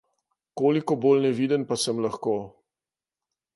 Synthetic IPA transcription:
koːlikɔboːlnɛʋiːd̪ənpasəmlaxkoː

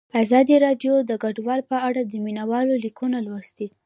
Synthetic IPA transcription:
azɑd̪iɾɑɖjod̪əɡaɖwɑlpəaɽad̪əminawɑlolikunalwast̪i

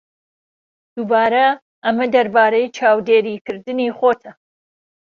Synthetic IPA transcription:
d̪̥ubaːɾɐ | ʔɐmɐd̪ɐɾbaːɾɐjt͡ʃʰaːwd̪eːɾiːkʰɨɾd̪ɨniːχot̪ʰɐ

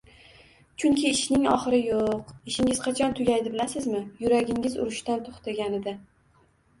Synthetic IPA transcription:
t͡ʃʰʊŋkʲʰɪːʃnɪŋɒχɨɾɪjoqɪʃɪŋɪzqʰɑt͡ʃʰɒnt̪ʰʊɡʲajd̪ɪbɪlasɪzmɪjʊɾaɡʲɪŋʲɪzʊ̰ɾʊʃt̪ant̪ʰoχt̪ʰaɡʲanɪd̪ɪ

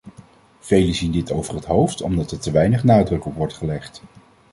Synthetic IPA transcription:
v̥ejləzindɪtowvərɦətɦowftɔ̰mdɑtɛɹtəʋɛjnəχnaːdrɵkɔpʋɔɹtχəlɛχt

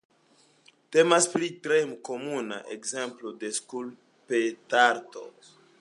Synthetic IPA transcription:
te̞maspɾitɾemko̞muna̰ʔḛkze̞mplode̞skul | petaɾto̞̰

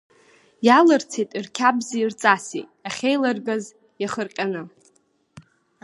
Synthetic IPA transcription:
jalɨrt͡sʰejtʼirkʲʰabziirt͡sʼasḭaχʲejlarɡaz | jaχərqʲʼanɨ

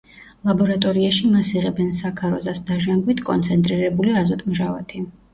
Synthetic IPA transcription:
lˠabɔɾat̪ʼɔɾiaʃimasiʁɛbɛnsakʰaɾɔzasd̪aʒaŋɡwit̪ʰkʼɔ̰nt̪sʰɛnt̪ʼɾiɾɛbuliazɔt̪ʼmʒava̰t̪ʰi

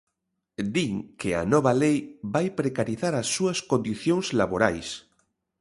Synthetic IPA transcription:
d̪iŋkea̰nɔβalejbajpɾekaɾiθaɾasːuaskõnd̪iθjoŋzlaβoɾa̰js

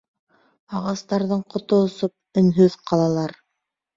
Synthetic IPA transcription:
ɑʁɑst̪ɑɾðɤɴqŏt̪ŏːsop̚ɵ̆nɦɵðqʰɑlˠɑlˠɑɾ

